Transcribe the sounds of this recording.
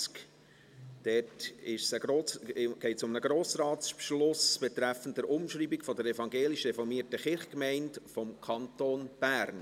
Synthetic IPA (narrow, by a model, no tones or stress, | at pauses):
k | d̥ɛtɪʃsəɡɾoːɡ̥ɛɪtsʊmnəɡɾoːsɾɑːtspʃlʊsb̥ɛt̪ɾæfənt̚dəɾʊmʃɾiːbikfɔdəɾɛfɑŋɡeːlɪʃrɛfɔɾmiətəχɪɾχkmɛɪntfɔmkʰɑntoːnb̥æːɾn